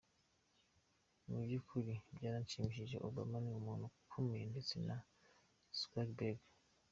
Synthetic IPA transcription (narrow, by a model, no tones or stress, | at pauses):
nubjikʰuɾibɟaːɾaɲt͡ʃimiʃiʒe̞̰ʔoba̰maniumuːnukʰomeːndet͡sena | skakbeɡ